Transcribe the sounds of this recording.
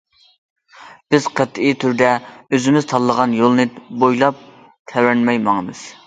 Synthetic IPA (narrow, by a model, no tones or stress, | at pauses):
b̥ɪz̥qʰət̪it̪ʰyɾd̪ɛøzɪmɪzt̪ʰɑlˠːəʁɑnjolˠnɨbojlˠɑp̚ | t̪ʰɛwɾɛnmɛjmɑŋəmɨz̥